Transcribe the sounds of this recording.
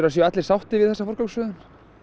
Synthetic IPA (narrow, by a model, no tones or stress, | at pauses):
ɾas̬jɛɛt̪lɪɾsawht̪ɪvɪðθɛsafɔr̥kaksʏːðʏn